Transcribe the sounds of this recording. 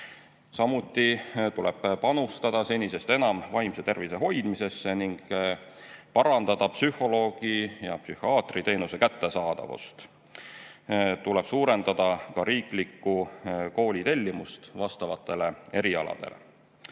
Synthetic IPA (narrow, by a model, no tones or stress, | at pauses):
sɑmut̪ːˑit̪ulɛb̥pɑnust̪ɑd̪̥ɑse̞nʲise̞st̪e̞nɑmvɑjmse̞t̪e̞rvise̞ɦo̞jd̪̥mise̞sːeniŋɡ | pɑɾɑnd̪̥ɑd̪̥ɑpsyho̞lo̞ːɡ̥ijɑpsyhiɑːt̪rit̪e̞jnuse̞kæt̪ːe̞sɑːd̪̥ɑ̰vṵst̪ | t̪ule̞b̥suːɾe̞nd̪ɑd̪̥ɑkɑɾiːklikːˑuko̞ːlʲit̪e̞lʲːimust̪vɑst̪ɑvɑt̪ːˑe̞le̞e̞ɾiɑlɑ̰d̪̥e̞̰lḛ